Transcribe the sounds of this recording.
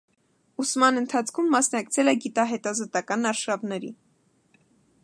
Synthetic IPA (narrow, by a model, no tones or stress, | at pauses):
usmɑnənt̪ʰɑt͡sʰkʰumːɑsnɑkt͡sʰɛlɛɡit̪ɑɦɛt̪ɑzɔt̪ɑkɑnɑɾʃɑvnɛɾḭ